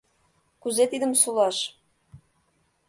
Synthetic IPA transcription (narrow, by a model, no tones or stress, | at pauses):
kuzet̪id̪əmsulɑʃ